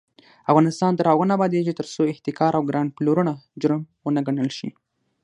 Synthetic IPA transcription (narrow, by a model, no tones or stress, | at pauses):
avɣɑnɪst̪ɑnd̪aɾɑɣənabɑd̪ed͡ʒit̪əɾsoɪht̪ɪkɑɾʔawɡɾaɳploɾunad͡ʒʊɾəmwənaɡaɳəlʃḭ